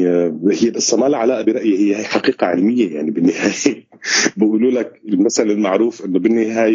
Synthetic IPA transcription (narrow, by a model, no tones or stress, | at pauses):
hɪjːebasːamaːlaʕalaːʔabɪɾˤɑʔjɪhɪjːhajħaqiːqaʕɪ̰lmɪjːaja̰ʕnibɪnːɪhaːjje | bɪʔuːluːlakɪlmasalalmaʕɾuːfʔɪnːʊbɪnːɪhaːj